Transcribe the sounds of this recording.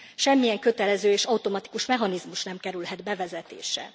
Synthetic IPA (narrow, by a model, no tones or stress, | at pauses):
ʃɛmːijɛŋkøt̪ɛlɛzøːeːʃɒut̪o̞mɒt̪i̥kuʃmɛɦɒnizmuʃnɛmkɛɾylɦɛd̪bɛvɛzɛt̪ḛːʃɛ̰